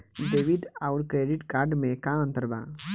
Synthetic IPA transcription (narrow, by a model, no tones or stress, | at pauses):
d̪eːʋiʈ̪aʊɾkɾeɖiʈkaːɾɖmẽkãə̃nt̪əɾbã̰